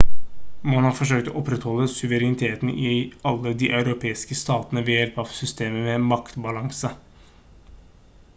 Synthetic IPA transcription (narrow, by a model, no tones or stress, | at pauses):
mɑnhɑːɾfɔʂ̬øːk̚t̪ɔ̰ːʔɔpɾɛt̪hɔlːəsʉʋəɾɛnɪt̪ʰeːt̪n̩ʔɪɑlːəd̪iːʔɑʉɾʊpʰeːɪskəst̪ɑːt̪ənəʋɛjɛlpɑʋsʏst̪eːməmɛmɑkt̪bɑlɑŋsə